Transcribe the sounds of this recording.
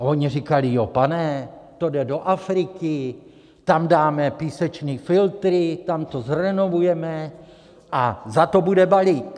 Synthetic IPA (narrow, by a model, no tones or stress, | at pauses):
ʔoɲirikalɪjopanɛt̪o̞dɛdo̞ʔafɾɪkɪ | t̪amdaːmɛpiːsɛt͡ʃniːfɪlt̪ɾɪt̪amt̪o̞zɾɛno̞vujɛmɛ | ʔazat̪o̞budɛbalik